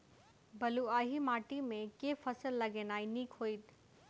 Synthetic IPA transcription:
bɐluaːɦimaːʈimẽkefɐsəlːɐɡeːnaːinikʰoːit̪

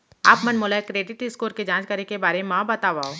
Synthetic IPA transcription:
a̰ːpmɐnmoːlakɾeːɖɪʈɪskoːɾked͡ʒãːnt͡ʃkɐɾekebaːɾeemãːbɐt̪aːʋaːoː

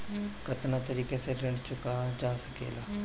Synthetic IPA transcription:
kət̪nat̪əɾiːkeseɾəɳt͡ʃʊkaːd͡ʒaːsəkḛːlaː

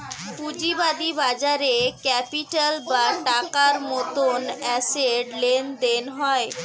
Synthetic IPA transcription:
pud͡ʑibad̪ibad͡ʑaɾekɛpiʈalbaʈakaɾmɔt̪onɛseɖlend̪enɦɔe

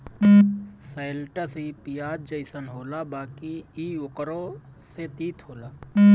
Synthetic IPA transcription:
sajlʈəsipijaːd̪̚d͡ʒəɪsənɦoːlabaːkiiʊkɾo | set̪iːt̪ʰɦoːla

